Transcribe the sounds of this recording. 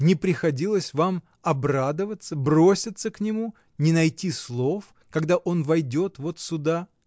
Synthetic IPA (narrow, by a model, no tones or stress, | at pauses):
nʲɪpɾʲɪxɐdʲilˠəsʲvam | ɐbrad̪əvət̪səbɾo̞sʲɪt̪səknʲɪmu | nʲɪnɐjtʲislˠo̞f | kɐɡd̪aʔo̞nvɐjdʲo̞t̪vo̞t̪sʊd̪a